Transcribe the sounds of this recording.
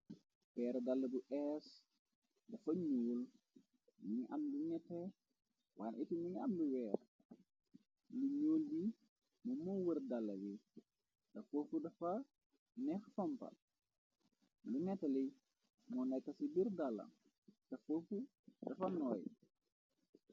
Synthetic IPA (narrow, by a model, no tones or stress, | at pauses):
pɛːɾdɐlːɐbuʔɛs | dɐfɐɲoːl | niɲiʔɐmduɲɛtːɛ | waːnʔitiniɲiɐ̰mduwɛːr | luɲoːldi | mɔmɔwərdalːɐ̰li | dɐfofudɐfɐ | nɛxfɔmpɐ̰l | lunɛtːɛli | mɔnɛkːɐsibirdalːɐ̰ | tɐfofu | dɐfɐnɔːj